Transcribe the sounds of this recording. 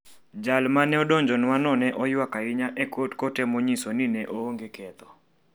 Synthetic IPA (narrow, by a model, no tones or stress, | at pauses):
d͡ʒalmanɛɔdɔɲd͡ʒɔnwanɔnɛʔɔjwakaɪɲaʔɛkotkɔtɛmoɲisoninɛʔooŋɡekʰɛt̪ɔ